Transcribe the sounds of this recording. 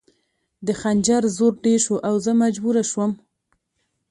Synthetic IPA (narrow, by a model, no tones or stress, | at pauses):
d̪əxand͡ʒaɾzoɾɖeɾʃoʔawzəmad͡ʒbuɾaʃwəm